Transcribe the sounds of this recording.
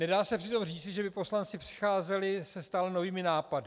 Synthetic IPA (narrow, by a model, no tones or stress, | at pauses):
nɛdaːsɛpr̥ɪt̪o̞mriːt͡sɪʒɛbɪpo̞slant͡sɪpr̥ɪ̥xaːzɛlɪsɛst̪alɛno̞viːmɪnaːpadɪ